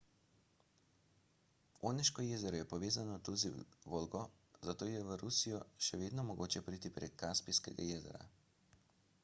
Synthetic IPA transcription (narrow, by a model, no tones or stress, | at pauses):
oːnɛʃkɔjeːzɛɾɔjɛpɔʋeːzanɔt̪uziʋoːlɡɔ | zat̪oːjɛʋəɾusijɔʃɛʋeːd̪nɔmɔɡoːt͡ʃɛpɾiːt̪ipɾḛkʰːaspijskɛɡa̰jeːzɛ̰ɾa̰